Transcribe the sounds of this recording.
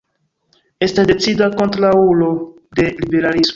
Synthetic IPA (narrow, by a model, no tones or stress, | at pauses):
e̞stasde̞t͡sidako̞ntɾaulo̞ | de̞libe̞ɾalismo